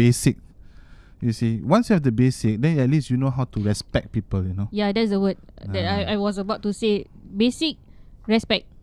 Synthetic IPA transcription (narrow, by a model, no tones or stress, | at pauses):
besik̚ | jusiwãnsjuhɛvdəbesɪk̚dɛ̃nɛt̚lisjunoɦawtuɹɛspɛk̚pipəljunojadɛtsdəwəd̚dɛtajajwɔs̬əbaʊtːusebesik̚ɹɛspɛk̚